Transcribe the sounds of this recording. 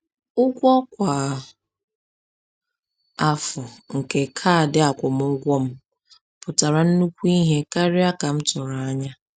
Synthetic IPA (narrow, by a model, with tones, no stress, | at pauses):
ʊ˦ɡʷɔ˦kʷa˨ | a˦fʊ˨ŋ̩˨ke˨kʰa˦˨dɪ˦a˨kʷʊ˨m˦ʊ˦ɡʷɔ˦m̩˦ | pʊ˨ta˨ɾa˨n̩˦nu˦kʷu˦i˦ɦe˦ka˦ɾɪ˦a˦ka˨m̩˦tʊ˨ɾa˨a˦ɲa˦